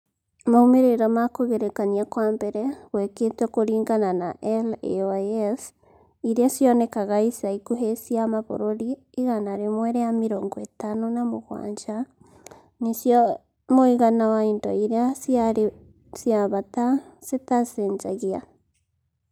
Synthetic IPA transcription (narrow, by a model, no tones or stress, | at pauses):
amaumeɾeɾɔmakoɣeɾekaniakwaːmbɛɾɛɣweketɛkoɾiːŋɡananaʔɛlḛos | iɾeasjɔnekaɣaisaikuɦesiamaβo̰ɾoɾiː | ɣanaɾemwɛɾejamiɾoːŋɡɔetanonamoɣwa̰ːɲd͡ʒa | nisj | moiɣanawaindɔiɾeasjaɾ | sjaβatasetaseːnzaɣia̰